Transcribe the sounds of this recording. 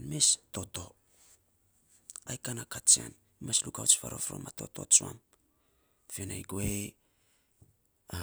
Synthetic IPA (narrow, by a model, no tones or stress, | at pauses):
nmesto̞to̞ | ajkanakat͡ʃia̰n | imaslukawt͡ʃfaɾo̞fɾo̞̰mato̞to̞t͡ʃua̰m | fenajɡoe